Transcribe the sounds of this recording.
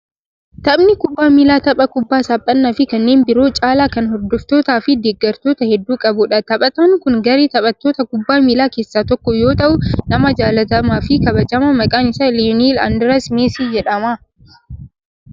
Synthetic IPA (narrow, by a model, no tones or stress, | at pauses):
t̪ɐbnɪkʊbːaːmiːlaːt̪ɐpʼɐkʊbːaːsaːpʼːɐnːaːfɪkɐnːe̞ːnbɪɾoːt͡ʃʼaːlaːkɐnhɔɾd̪ɔft̪o̞ːt̪aːfɪd̪eːɡːɐɾt̪oːt̪ɐhɛd̪ːuːkʼɐbʊᶑɐt̪ɐpʼɐt̪ɐŋkʊŋɡɐɾeːt̪ɐpʼɐt̪ːoːt̪ɐkʊbːaːmiːlaːkeːsːaːt̪ɔkːɔjo̞ːt̪ɐʔʊnɐmɐd͡ʒaːlɐt̪ɐmaːfɪkɐbɐd͡ʒɐmɐmɐkʼaːnɪsɐlinilɐ̰nd̪ɪɾɐsmeːsiːd͡ʒɛᶑɐmaː